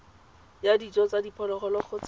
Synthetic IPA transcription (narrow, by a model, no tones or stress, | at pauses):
jadit͡sʼɔt͡sadipʰɔlɔχɔlɔχɔt͡s